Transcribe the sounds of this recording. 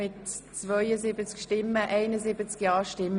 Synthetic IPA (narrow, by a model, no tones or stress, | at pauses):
ɪtt͡svœʏəzɪbət͡skʃtɪmːəʔɛɪnəzɪbət͡skjɑːʃtɪm